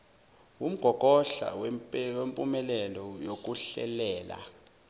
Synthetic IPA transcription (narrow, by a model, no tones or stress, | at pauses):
wum̩ɡ̥ʱɔkʼɔɬa̰wwempʼumɛlɛlɔjok̬ʼuɬɛ̰lɛːla̰